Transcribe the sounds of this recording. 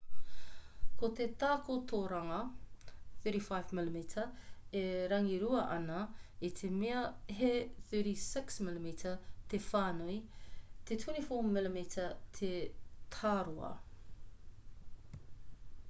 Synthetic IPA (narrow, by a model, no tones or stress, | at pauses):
kʰot̪et̪aːkʰotʰoːɾɐŋɐ | θɜɾifajvmɪlimitʰɐeɾɐŋiɾuɐʔɐnɐit̪ʰemeɐɦeθəɾisɪksmɪlimitʰɐt̪efaːnoit̪etʰwunifoːmɪlimitʰɐtʰetʰaːɾoɐ̰